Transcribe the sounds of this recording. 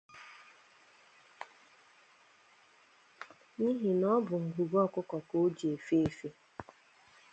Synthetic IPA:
ni˦ɦi˨nɔ˦bʊ˨ŋ̩˨ɡu˨ɡɔ˦kʊ˦kɔ˨ko˦d͡ʒi˨e˨fe˦e˨fe˦

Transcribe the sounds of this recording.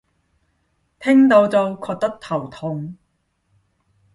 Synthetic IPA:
t̪ʰɪ˥ŋt̪o˧wt͡s̪o˧wkʰɔː˧k̚t̪ɐ˥k̚t̪ʰɐ˨˩wt̪ʰʊ˨˧ŋ

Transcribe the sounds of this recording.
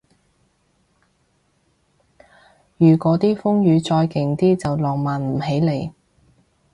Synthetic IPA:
jyː˨˩kɔː˨˥t̪iː˥fʊ˥ŋjyː˨˧t͡sɔː˧jkɪ˨˩ŋt̪iː˥t͡sɐ˨wlɔː˨˩ŋmaː˨nm̩˨˩he˨˥jle˨˩j

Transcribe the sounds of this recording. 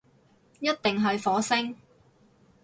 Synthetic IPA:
jɐ˥t̚t̪ɪ˨ŋɦɵ˨jfɔː˨˥sɪ˥ŋ

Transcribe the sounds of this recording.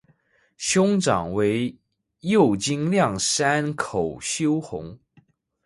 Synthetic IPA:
ɕjʊ˥ŋʈ͡ʂɑ̰˨˩ŋwe˧˥ɪ | jo˥˩ʊt͡ɕi˥ŋljɑ˥˩ŋsa˥nkʰo˨˩ʊɕjo˥ʊxʊ̰˧˥˦ŋ

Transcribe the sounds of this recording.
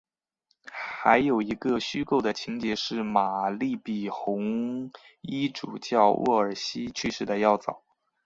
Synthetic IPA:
xa˧˥ɪjo˨˩ʊi˧˥ɡə˧ɕy˥ko˥˩ʊd̪ə˩t͡ɕʰi˧˥ŋt͡ɕjɛ˧˥ʂɻ̩˥˩ma˨˩li˥˩pi˨˩xʊ˧˥ŋ | i˥ʈ͡ʂu˨˩t͡ɕjɑ˥˧ʊwʔɔ̰˥˩ə˞˨˩ɕi˥t͡ɕʰy˥˧ʂɻ̩˥˩d̪ə˨jɑ˥˩ʊt͡sɑ̰˨˩˦

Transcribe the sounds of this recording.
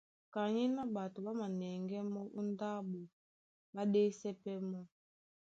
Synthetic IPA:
ka˨ɲi˦na˦ɓa˨tu˨ɓa˦ma˨nɛ˨ŋɡɛ˦mɔ˦ʔu˦nda˦ɓu˨ | ɓa˦de˦sɛ˦pɛ˦mɔ˦

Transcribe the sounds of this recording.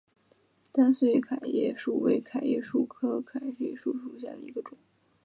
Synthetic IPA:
t̪a˥˧nswe˥kʰa˨˩ɪjɛ̰˥˧ʂu˥˩we˧˥˩ɪkʰa˨˩ɪjɛ̰˥˧ʂu˥˩kʰɤ˥kʰa˨˩ɪje˥˩ʂu˥˩ʂu˨˩ɕjɛ̰˥˩d̪ə̰˨˩i˧˥ɡə˧ʈ͡ʂʊ˨˩˦

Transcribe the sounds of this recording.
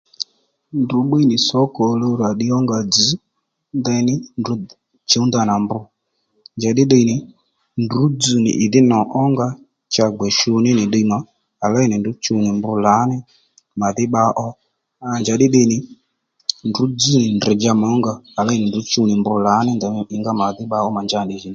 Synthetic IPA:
ndu˨˦ɓe˦nɪ˨sɔ˨˦kɔ˨lo˧ɾa˨ɗɪ˦ɔ˦ŋɡa˧d͡zi˨˦ | nd̪ɛ˧nɪ˦ndu˨˦ | t͡ʃe˨˦nd̪a˨na˨mbʊ˧ | nd͡ʒa˨ɗɪ˦ɗə˧i˨nɪ˨ | ndu˨˦d͡zu˨nɪ̰˨ʔɪ˨ðɪ˦nɔ˨ʔɔ˦ŋɡa˦ | t͡ʃa˧ɡ͡bɛ˨ʃu˧nɪ˦nɪ˨ɗə˧˦ma˨ | a˨la˦i˦nɪ˨ndu˨˦t͡ʃu˧˦nɪ˨mbʊ˧˦la˨˦nɪ˦ | ma˨ðɪ˦ɓa˧ʔɔ˦ | a˨nd͡ʒa˨ɗɪ˦ɗə˦˧jnɪ˨ | ndu˨˦d͡zu˦nɪ˨ndɛ˨d͡ʒa˧mɔ˨˦ŋɡaː˦˧˨la˦i˦nɪ˨ndu˨˦t͡ʃu˧nɪ˨mbʊ˧la˨˦nɪ˦nd̪ɛ˧ɪ˧ŋɡa˦ma˨ðɪ˦ɓa˧˦ɔ˦ma˨nd͡ʒa˦˨nɗɪ˨ʒi˨n˨

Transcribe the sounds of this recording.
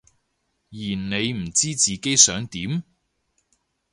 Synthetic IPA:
jiː˨˩nne˨˧jm̩˨˩t͡siː˥t͡siː˨ke˥jsœː˨˥ŋt̪iː˨˥m

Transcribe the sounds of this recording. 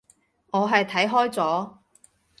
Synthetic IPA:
ŋɔː˨˧ɦɐ˨jt̪ʰɐ˨˥jɦɔː˥jt͡sɔː˨˥

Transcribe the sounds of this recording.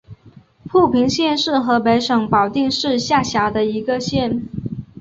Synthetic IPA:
pʰu˥˩pʰi˧˥ŋɕjɛ˥˧nʂɻ̩˥˩xɤ˧˥pe˧˥ɪʂɤ˨˩ŋpɑ˨˩ʊt̪i˥˧ŋʂɻ̩˥˧ɕja˥˩ɕja˧˥d̪ə˧i˧˥ɡə˧ɕjɛ˥˩n

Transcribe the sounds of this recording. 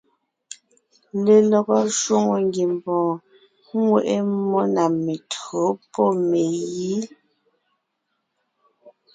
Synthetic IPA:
le˨lɔ˨ɡɔ˦ʃwo˦ŋo˨ŋ˦ɡi˨m˨pɔ̃ː˨ | ŋ˦we˦˨ʔe˦mɔ˦na˨me˨tʰɰo˨˦pɔ˦me˨ji˦

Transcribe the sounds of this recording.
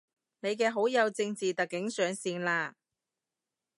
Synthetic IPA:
ne˨˧jk̬ɛː˧ɦo˨˥wjɐ˨˧wt͡sɪ˧ŋt͡siː˨t̪ɐ˨kːɪ˨˥ŋsœː˨˧ŋsiː˧nlaː˧

